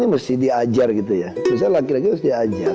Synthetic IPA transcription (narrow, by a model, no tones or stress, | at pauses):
niməst̪idiad͡ʒarkit̪̬ujabs̬alakilak̬it̪məsdiad͡ʒar